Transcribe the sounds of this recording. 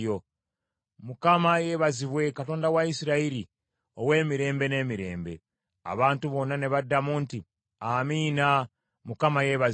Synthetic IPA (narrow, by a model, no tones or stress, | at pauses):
o | mukamaje̞βaziβwe̞kato̞ːndawaisiɾaiɾi | o̞we̞ːmiɾe̞ːmbe̞ne̞ːmiɾe̞̰ːmbe̞̰ | a̰βaːntuβo̞nane̞βadamuːnti | amiːna | mukamaje̞βa